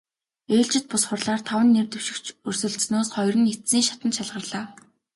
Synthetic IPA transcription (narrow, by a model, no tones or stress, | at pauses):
eːɮt͡ɕɪ̆t̪̚pʊsχə̆rɮaːrt̪ʰawə̆nːert̪ɵ̆wʃɪ̆kt͡ɕʰɵrsɵ̆ɮsnoːsχɔjrɘ̆net̪siːŋʃḁt̪ənʃaɮʁə̆rɮaː